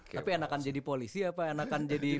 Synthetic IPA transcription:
apianakand͡ʒadipolisiapaenakand͡ʒadi

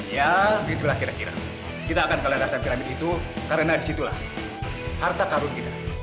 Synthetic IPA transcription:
jait̪ulahkiɾakiɾa̰ | kit̪aːkankallaasanpinamidit̪ukaɾənadisit̪ula̰h | hart̪akaɾʊnkit̪a

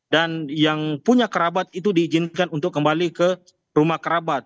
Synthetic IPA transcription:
danjaŋpuɲakəɾabat̪̚it̪̬udiːd͡ʒɪnkanunt̪ʊkːəmbalikə | rumahkəɾabat̪̚

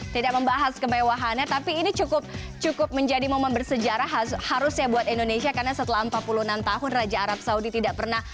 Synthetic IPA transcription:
t̪idak̚məmbaɦaskəmewaɦanat̪apiːnit͡ʃukʊp̚ | t͡ʃukʊp̚məɲd͡ʒadimomanbərsəd͡ʒaɾaɦahaɾʊsɲabuat̪indonesiakarnasət̪əlaəmpat̪̚puluhnamt̪aɦʊnrad͡ʒaːɾap̚saudit̪idaʔ̚pərnah

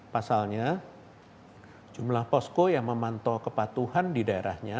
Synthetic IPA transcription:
pasalɲa | d͡ʒumlahpɔskojaŋməmant̪ɔkəpat̪uhandidaeɾahɲa

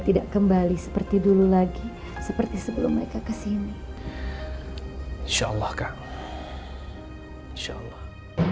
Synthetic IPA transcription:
t̪idaʔkəmbalisə̥pərt̪idululaɡi | səpərt̪isəbəlʊmːəɾekakəsimi | inʃaʔlːɑhka | inʃa̰lːɑh

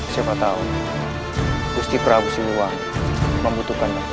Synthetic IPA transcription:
siapat̪aʊn | bust̪ipɾabusiluwaŋ | məmbut̪ukanɲa

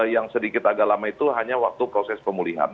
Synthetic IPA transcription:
jaŋsədikɪt̪aɡaʔlamait̪uɦaɲawak̚t̪upɾosɛspəmuliɦa̰n

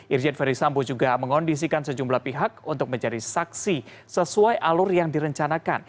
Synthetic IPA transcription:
ʔird͡ʒɛnfaɾisambod͡ʒuɡaməŋɔndis̬ikansəd͡ʒumblahpiɦakunt̪ʊk̚məɲd͡ʒadisaksi | səsuajʔalʊrjaŋdiɾəɲt͡ʃanaka̰n

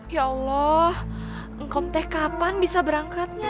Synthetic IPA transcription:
jaɑlːɔh | ŋkɔp̚t̪ɛhkapanbisabəɾaŋkat̪̚ɲa

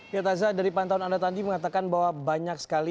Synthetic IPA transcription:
piat̪azadaɾipant̪aunandat̪andiməŋat̪akanbawabaɲak̚sə̥kali

